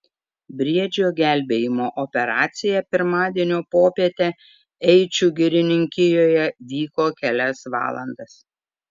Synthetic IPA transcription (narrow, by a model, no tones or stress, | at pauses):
bʲɾʲiɛd͡ʒʲoːɡʲæˑlʲbʲeːjɪmoːʔɔpʲɛɾɑːt̪sʲɪjɛpʲɪɾmɑːd̪ʲiɛnʲoːpoːpʲiɛt̪ʲɛ | ɛɪt͡ʃʲuɡʲɪɾʲɪnʲɪŋʲkʲɪjoːjɛʋʲiːkoːkʲɛlʲɛsʋɑ̰ːlˠɐ̰nd̪ɐs